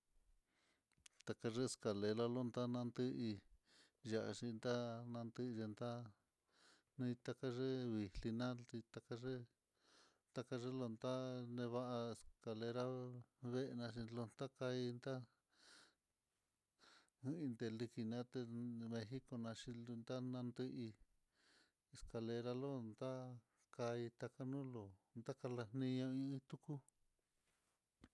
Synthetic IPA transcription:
t̪a˧ka˧ʐe˦e˧ska˨le˧lo˧lo˦nd̪a˦nã˧nd̪ɨ˦ʔi˧ | ʒa˧˨ʔa̰˧ʂi˧nd̪a˦nã˧nd̪ɨ˦i˧ʒe˧nd̪a˦ | nĩ˧t̪a˧ka˦ʐe˦βi˨li˧nã˦i˧t̪a˧ka˧ʐe˦ | t̪a˧ka˧ʐe˦lo˧nd̪a˦nẽ˧βa˦ʔa˧e˧ska˨le˧ɾa˦βe˦ʔe˧nã˧ʃi˧lo˧nt̪a˦ka˧i˧nd̪a˦ | ɨ̃˦i˧nd̪e˧li˧ki˧nã˧˦t̪e˧mẽ˧xi˦ko˧nã˧ʃi˧lnd̪a˦nã˧nd̪ɨ˧ʔi˧ | e˧ska˧le˧ɾa˧lo˦nd̪a˦ | ka˧i˧t̪a˧ka˦nũ˦lo˨nd̪a˦ka˧la˧n̥nĩ˧ɲõ˧ĩ˧ĩ˦t̪u˦ku˦

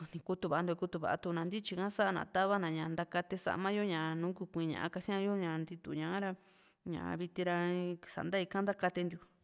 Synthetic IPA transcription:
nĩ˨˧ku˧t̪u˧˨βa˨˧nd̪o˧i˧ku˧t̪u˧βa̰˨a̰˧t̪u˧nã˨nd̪i˦t͡ʃi˧kã˦sa˦ʔa˧nã̰˧˨t̪a˦βa˦nã˨ɲã˧nd̪a˧ka˧t̪e˧sa̰˧mã˦jo˦ɲã˨nũː˨˦ku˧˨kʷĩː˧ɲã̰˨ʔã̰˧ka˧sĩ˦ã˦jo˦ɲã˧nd̪i˧t̪ṵ˧˨ɲã˧˦ɾa˧ | ɲã̰˨˧βi˧t̪i˧ɾa˧sa̰˨nd̪a˦i˧kã˦nd̪a˦ka˧t̪e˧nd̪ju˨

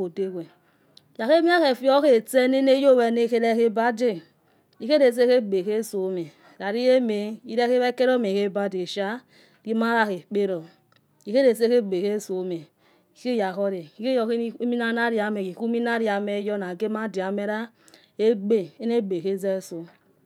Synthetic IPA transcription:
o˨de˦ɡe˨ | ja˨ke˦mi˦a˦ke˨fi˦o˦ke˨te˦ne˦ne˦jo˦˨we˨˦ne˦˨ke˦ɾe˦ke˦ba˦de˦ | i˨ke˦ɾe˨s̬e˦ke˦ɡ͡be˨ke˦so˨˦me˨ɾa˨ɾi˦je˦me˨i˦ɾe˦e˦βe˦ke˦ɾo˦me˨ke˦ba˦de˨ʃa˦ | ɡi˦ma˦ɾa˦ke˨k͡pe˦ɾo˨ | i˨ke˦ɾe˨se˦ke˦ɡ͡be˨ke˦so˨˦me˨ | i˨ke˦ja˨ko˦ɾe˨i˨˦ke˦jo˨ke˦mi˦na˦na˦ɾi˨a˨me˨ki˨ku˦mi˦na˦ɾi˨a˨me˦jɔ˦na˨ɡe˦ma˦di˨a˨me˦ɾa˦ | e˦ɡ͡be˦e˦ne˦ɡ͡be˨ke˦ze˦so˦

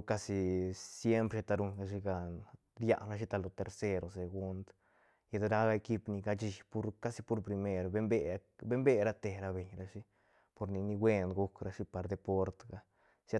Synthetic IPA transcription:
ka˧si˧sje˦mpɾʃe˧t̪a˧ɾu˧nɡa˧ʃ̬i˧ɡa˨n | ɾja̰˧nɾa˧ʃ̬i˦t̪a˧lo˧˨t̪e˧ɾse˦ɾo˨se˨ɡu˦nd̪ | ja˧d̪ɾa˦ɡa˧e˧ki˦pni˧ɡa˧t͡ʃi˧˨pu˦ɾka˦si˧pu˧˦ɾpɾi˧me˧ɾbe˦mbe˦be˦mbe˦˧ɾa˦t̪e˨ɾa˧be˨ɲɾa˧ʃi˦ | po˧ɾni˨ni˧ɡwe˦˧nɡu˧kɾa˧ʂi˦pa˨ɾd̪e˧po˦ɾt̪ɡa˧ | sa˦

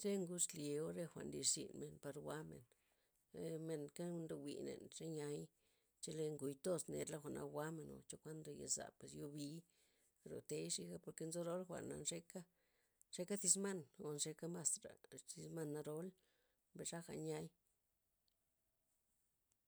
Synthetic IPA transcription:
ɾe˦ŋɡu˦t͡ʃlje˨˧o˦ɾe˧xʷa̰˨nli˧ʂsḭ˨nme˨npa˧ɾwa˦mḛ˨n˧ | me˨nka˦˧nɾo˧wʷḭ˨nḛ˨nʐe˦ɲa˧˦j | t͡ʃe˧le˧ŋɡu˨jt̪o˦sne˨˧ɾla˦xʷa˨nʔa̰˧wʷa˦me˨no̰˨t͡ʃo˦kʷa˦nd̪o˨jḛ˨za̰˨pwe˨sjo˧bi˧˦ | ɾo̰˨t̪e˧˦jʂi˧˦ɡa˦po˧ɾke˧nzo˦ɾo˦lxʷa̰˨na̰˧nʐe˦ka˦ | ʂe˧ka˦θi˧s̬ma˦˨no˧nʂe˧ka˦ma˧sɾa̰˨ti˧sma˦˧nːa˧ɾo˧˦l | be˨ʂa˦xa˧ɲa˧j

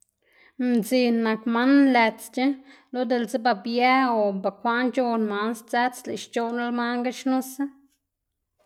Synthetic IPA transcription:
mzi˧˨nːa˨kma˦nle˨t͡st͡ʃe˦ | lo˦d̪e˧˨lze˦ba˧bja˦o˨ba˨kʷa˦nt͡ʃo˧nma˧˦nst͡sa˦t͡slḛ˨ʃt͡ʃo˧na˦lma˦ŋɡa˦ʃnũ˦sa˦

